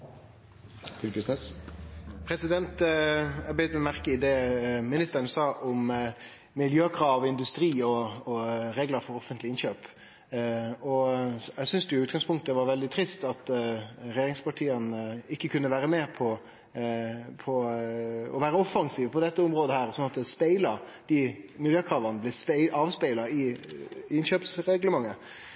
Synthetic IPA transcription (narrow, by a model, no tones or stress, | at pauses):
fʏlkəsnɛs | pʰɾɛsɪd̪ɛnt̪æbəjʏnmɛɔmæʁkəɪd̪eːmɪnɪst̪əɾənəsɑːʔʊm | mɪljøːkʰɾɑːʋɔɪnd̪ʉst̪ɾiːɔː | ɾeːɡləɾfɔɾɔfənt̪lɪɪnɕøːp | ɔɛɪsʏnsd̪ɛʊʉːt̪ɡɑŋspʰʊŋkt̪əʋɑɾʋɛld̪ɪt̪ʰɾɪst̪ɑt̪ɾɛjeːɾɪŋspɑʈʰiːənɪkːəkʰʉnːəʋæːɾəmeːɾpʰɔ | pʰɔ | ɔʋæːɾəɔfɑŋsiːʋəpʰɔd̪ɛt̪ːəʊmɾoːd̪əhæːɾsɔnɑt̪əspæɪlɑd̪̥ɪmɪljøːkʰɾɑːʋɑnəblɪspɛɪɑːʋspæɪlɑɪ | ɪnɕøːpsɾɛɡləmɑŋːə